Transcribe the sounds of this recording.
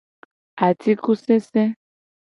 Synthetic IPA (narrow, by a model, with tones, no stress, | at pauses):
a˨ti˦ku˦sɛ˦sɛ˦